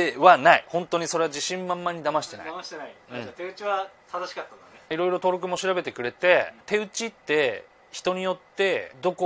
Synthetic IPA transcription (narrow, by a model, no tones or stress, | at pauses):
eβanaḭhõ̞nt̪o̞ɲ̟iso̞ɾe̞ad͡ʑiɕĩmmãmːaɲ̟id̪amaɕi̥t̪e̞na̰aɕi̥t̪enaiɯ̃at̪eɯ̟t͡ɕiβat̪ad̪aɕi̥kat̪ːãnd̪aneiɾo̞iɾo̞t̪o̞ːɾo̞k̬ɯ̟mo̞ɕiɾabe̞t̪ekɯ̟ɾe̞t̪e̞t̪e̞ɯ̟t͡ɕit̪ːe̞ | çi̥t̪oɲ̟ijo̞t̪ːe̞d̪o̞ko